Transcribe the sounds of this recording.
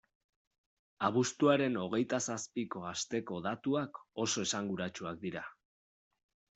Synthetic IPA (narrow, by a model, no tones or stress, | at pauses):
aβ̞ust̪uaɾe̞no̞ɣ̞e̞jt̪asaspiko̞ast̪e̞ko̞ðat̪uako̞so̞e̞saŋɡuɾat͡ʃuak̚d̪iɾa